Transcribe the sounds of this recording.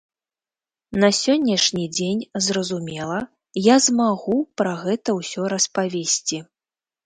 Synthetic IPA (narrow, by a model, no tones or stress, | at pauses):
nɐsʲɔnʲːɐʂnʲid͡zʲenʲzrɐzumʲɛlˠɐ | jazmaɣupɾɐɣɛt̪ɐwsʲɔɾɐspavʲesʲt͡sʲi